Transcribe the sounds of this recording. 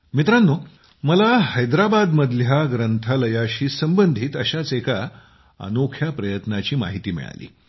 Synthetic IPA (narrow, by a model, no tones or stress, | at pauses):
mit̪ɾanːo | məlahəjd̪ɾabad̪məd̪ljaɡɾənt̪ʰaləjaɕiːsəmbənd̪ʱiːt̪əɕat͡seka | ə̰nokʰjapɾəjət̪nat͡ɕiːma̰ɦit̪iːmḭɭa̰lḭː